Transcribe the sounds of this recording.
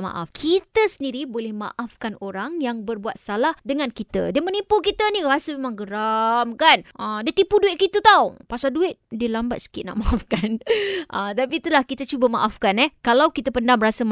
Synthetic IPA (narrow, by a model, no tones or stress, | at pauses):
ma̰ʔa̰fkʰit̪əsəndiɾibolɛhma̰ʔafkanoɾaŋjaŋbərbuat̪̚salahdəŋãnkit̪ə̰diəmənipuk̬it̪ənĩɾasəmemãŋɡəɾamkanʔədiat̪ipuduɪʔ̪̚kit̪ut̪awpasalduɪt̪̚diəlamba̰t̪̚sə̥kɪt̪̚na̰ʔmaʔafkanʔət̪ap̬it̪ulahkit̪ət͡ʃubəmaʔafkanɛhkalawkit̪əpəndamɾasəm